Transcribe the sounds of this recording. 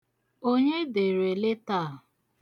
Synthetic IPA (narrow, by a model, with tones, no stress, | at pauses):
o˦ɲe˦de˨ɾe˨le˦ta˦˨